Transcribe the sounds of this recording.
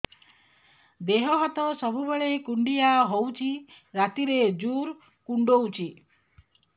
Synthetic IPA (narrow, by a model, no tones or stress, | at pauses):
d̪eɦɔɦɔt̪ɔsɔbʱubeɭekuɳɖijaɦowt͡ʃʰi | ɾat̪iɾed͡ʒuɾ | kuɳɖowt͡ʃʰi